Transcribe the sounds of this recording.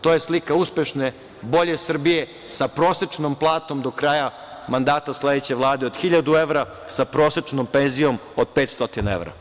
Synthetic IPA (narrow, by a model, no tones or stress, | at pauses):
t̪o̞ːje̞slikauspjeʃne | bo̞ʎesr̩bije̞ | sapɾo̞ːset͡ʃnomplˠaːt̪o̞md̪o̞kɾaːja | mand̪aːt̪asle̞d̪et͡ɕe̞ʋlˠaːd̪eo̞d̪̥xiʎad̪ue̞ʋɾa | sapɾo̞ːset͡ʃnompe̞nzijo̞mod̪̚pet̪st̪o̞t̪inae̞̰ʋɾa̰